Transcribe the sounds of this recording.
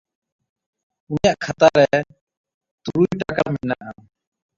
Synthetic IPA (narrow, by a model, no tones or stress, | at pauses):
unjaʔkʰat̪aɾɛ | t̪uɾujʈakaminaʔa